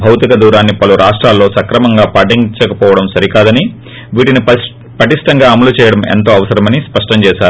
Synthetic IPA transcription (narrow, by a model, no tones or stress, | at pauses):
bʱɐwt̪ikɐd̪uːɾaːnːipɐluɾaːʂʈɾaːlːo̞ːsɐkɾɐmɐŋɡaːpɐɖiɲt͡ʃɐkɐpɔːʋɐɽɐmsɐɾikaːd̪ɐni | ʋiːʈini | pɐʈiʂʈɐŋɡaːɐmɐlut͡ʃɛːjɐɽɐmḛnt̪o̞ːɐʋɐsɐɾɐmɐnispɐʂʈɐmt͡ʃɛːʃaːɾu